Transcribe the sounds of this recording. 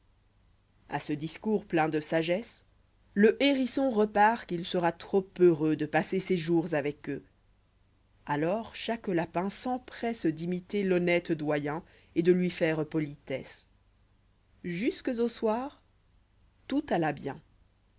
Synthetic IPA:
a̰səd̪iskuʁplɛ̃d̪əsaʒɛs | ləʔeʁisɔ̃ʁəpaʁkilsəʁat̪χopøʁød̪əpaseseʒuʁzavɛkø | alɔːʁʃaklapɛ̃sɑ̃pχɛsd̪imit̪elɔnɛt̪d̪wajɛ̃ | ed̪əlɥifɛʁpɔlit̪ɛ̰s | ʒyskəzoswaːʁ | t̪ut̪alabjɛ̃

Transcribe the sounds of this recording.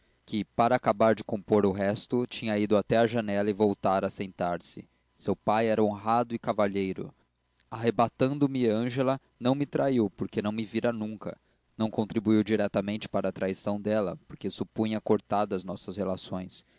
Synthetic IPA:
kɪpaɾɐːkabaɾd͡ʒɪkõmpoɾʊɦɛst̪ʊt͡ʃĩɲɐid̪ʊat̪ɛɐʒɐnɛlɐɪvowt̪aɾɐsẽnt̪aɾsɪ | sewpajɛɾɐõɦad̪ʊɪkavaʎejɾʊ̰ | aɦebat̪ɐ̃nd̪ʊmɪɐ̃ʒelɐ | nɐ̃w̃mɪt̪ɾaiwpoɾkenɐ̃w̃mɪviɾɐnũŋkɐ̰ | nɐ̃w̃kõnt̪ɾibuiwd͡ʒiɾɛt̪ɐmẽnt͡ʃɪ̥paɾɐaːt̪ɾajsɐ̃w̃d̪ɛlɐpoɾkesupũj̃ɐkoɾt̪ad̪ɐɐznɔsɐshelasõj̃s

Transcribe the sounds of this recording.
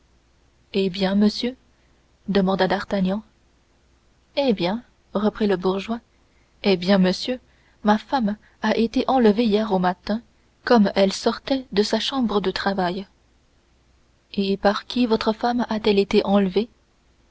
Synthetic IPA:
ebjɛ̃məsjø | d̪əmɑ̃d̪ad̪aʁt̪anjɑ̃ | ebjɛ̃ | ʁəpχiləbuʁʒwa | ebjɛ̃məsjø | mafam | aʔet̪eʔɑ̃ləvejɛʁomat̪ɛ̃ | kɔmɛlsɔʁt̪ɛd̪əsaʃɑ̃bʁəd̪ət̪χavaj | epaʁkʲʰivot̪χəfamat̪ɛlet̪eʔɑ̃ləve

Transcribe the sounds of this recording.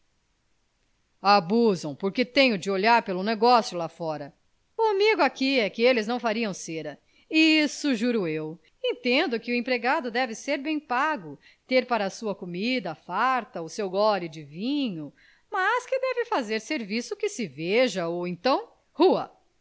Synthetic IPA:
abuzɐ̃w̃poɾket̪ẽj̃ʊd͡ʒɪoʎaɾpelʊneɡɔsjʊlafɔɾɐ | ʊamiɡʊakiɛkɪelɪznɐ̃w̃faɾiɐ̃w̃seɾɐ | isʊʒuɾʊew | ẽnt̪ẽnd̪ʊkɪʊẽpɾeɡad̪ʊd̪ɛvɪseɾbẽj̃paɡʊ | t̪eɾpaɾɐːsuɐkomid̪ɐfaɾt̪ɐʊsewɡɔlɪd͡ʒɪvĩɲʊ | mɐskɪd̪ɛvɪfazeɾseɾvisʊkɪsɪveʒɐowẽnt̪ɐ̃w̃ | huɐ̰

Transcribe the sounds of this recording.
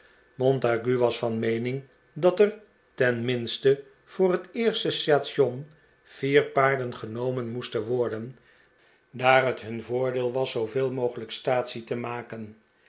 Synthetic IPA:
mɔntaɡyʋɑsfɑnmejnɪŋ | dɑtɛr | tɛnmɪnstə | v̥ʊːrɦətɪːɹstəstaːtsɔn | v̥iːɹpaːɹdənχənowmənmustənʋɔɹdən | daːrɦətɦɵnvʊːɹdeːlˠʋɑsːowvɪːlˠmowχələkstaːtsitəmaːkən

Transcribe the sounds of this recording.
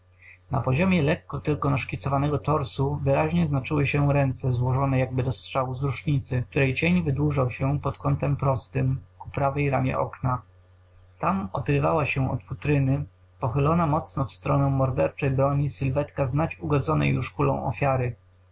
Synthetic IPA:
na̰pɔʑɔmʲjɛlɛkːɔt̪ɘlkɔnaʂkʲit̪sɔvanɛɡɔt̪ɔɾsuvɘɾaʑɲɛznat͡ʂɘwɘɕɛɾɛnt̪sɛzwɔʐɔnɛjaɡ̚bɘd̪ɔstʂawuzɾuʂɲit̪sɘk̚t̪uɾɛjt͡ɕeɲvɘd̪wuʐawɕɛpɔt̪kɔnt̪ɛmpɾɔst̪ɘmku̥pɾavɛjɾamʲjɛ̰ʔɔ̰kna | t̪amɔd̪ɾɘva̰waɕɛɔ̰t̪fut̪ɾɘnɘ | pɔxɘlɔnamɔt̪snɔfst̪ɾɔnɛ̃w̃mɔɾd̪ɛɾt͡ʂɛjbɾɔɲisɘlvɛt̪kaznat͡ɕuɡɔd̪zɔnɛ̰juʂkulɔ̰̃w̃ʔɔ̰fʲjaɾɘ

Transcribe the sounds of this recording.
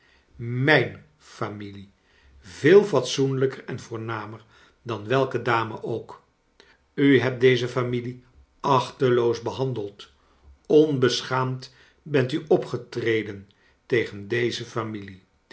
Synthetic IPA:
mɛjn | famili | vɪːlˠvɑtsunləkərɛnvʊːɹnaːməɹ | dɑnʋɛlˠkədaːməʔowk | yɦɛp̚dejzəfamili | ɑχtəlowzbəɦɑndəlˠt | ɔnbəsχaːmt | bɛntyʔɔpχətrejdən | tejχəndejzəfamili

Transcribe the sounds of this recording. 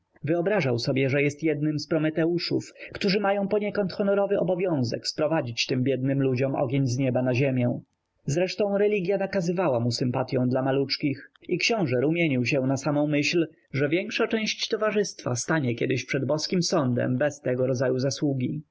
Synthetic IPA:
vɘɔbɾaʐawsɔbʲjɛʐɛjɛst̪jɛd̪nɘmspɾɔmɛt̪ɛuʂṵfkt̪uʐɘmajɔ̃w̃pɔɲɛkɔnt̪xɔnɔɾɔvɘʔɔbɔvʲjɔ̃w̃zɛ̰kspɾɔvad͡ʑit͡ɕt̪ɘmbʲjɛd̪̚nɘmlud͡ʑɔmʔɔ̰ɡʲjeɲzɲɛbanaʑemʲjɛ̃ | zɾɛʂt̪ɔ̃w̃ɾɛlʲiɡʲjanakazɘvawamusɘmpat̪ʲjɔ̃w̃d̪lamalut͡ʂkʲixikɕɔ̃w̃ʐɛɾumʲjeɲiwɕɛ̃w̃nasamɔ̃w̃mɘɕl | ʐɛvʲjɛŋkʂat͡ʂɛ̃w̃ɕt͡ɕt̪ɔvaʐɘst̪fa̰st̪aɲɛkʲɛd̪ɘɕpʂɛd̪bɔskʲimsɔnd̪ɛ̰mbɛst̪ɛɡɔɾɔd̪zajuzaswuɡʲi

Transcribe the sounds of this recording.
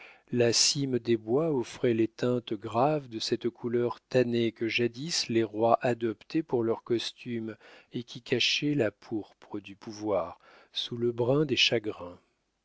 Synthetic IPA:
lasimd̪ebwaɔfχɛlet̪ɛ̃t̪ɡʁavd̪əsɛt̪kʰulœʁt̪anekəʒad̪isleʁwaʔad̪ɔpt̪epuʁlœʁkɔst̪ymekʲikʰaʃɛlapʰuʁpχəd̪ypuvwaʁ | suləbʁɛ̃d̪eʃaɡʁɛ̃

